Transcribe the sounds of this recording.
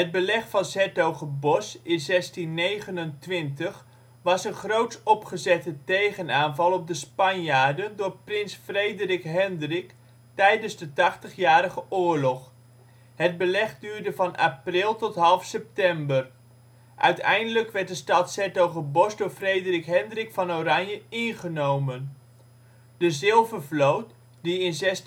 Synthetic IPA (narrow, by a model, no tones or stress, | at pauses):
ɦəd̚bəlɛχfɑnsɛtowχəbɔsɪnzɛstinːejχənəntʋɪntəχ | ʋɑsənχrowtsɔpχəzɛtətejχənaːnvɑlˠɔb̚dəspɑnjaːɹdəndʊːɹprɪnsfrejdərɪkɦɛndrɪk | tɛjdənzdətɑχtəχjaːɾəχəʔʊːɹlɔχ | ɦəd̚bəlɛχdyːɹdəvɑnʔa̰prɪlˠtɔtɦɑlˠfsɛp̚tɛmbər | ʔœ̰ɥtɛ̰jndələkʋɛɹt̚dəstɑtsɛtowχəbɔsdoːɹfrejdərɪkɦɛndrɪkfɑnowrɑɲjəɪnχənowmən | d̥əzɪlˠvəɹvlowt̚ | diɪnzɛs